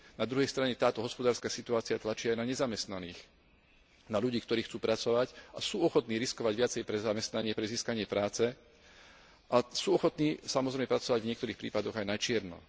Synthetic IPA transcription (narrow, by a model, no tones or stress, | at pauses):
nad̪ɾuɦɛjst̪ɾaɲɛt̪aːt̪ɔɦɔspɔd̪aːɾskasit̪uaːt͡siɪat̪lat͡ʃiːajnaɲɛzamɛst̪naniːx | naʎuɟiːkt̪ɔɾiːxt͡suːpɾat͡sɔʋacasuːɔxɔt̪niːɾiskɔʋaɟʋɪat͡sɛjpɾɛzamɛst̪naɲɪɛpɾɛziːskaɲɪɛpɾaːt͡sɛ | ʔasuːɔxɔt̪niːsamɔzɾɛjmɛpɾat͡sɔʋaɟvɲɪɛkt̪ɔɾiːxpɾiːpad̪ɔɣajnat͡ʃɪɛɾnɔ̰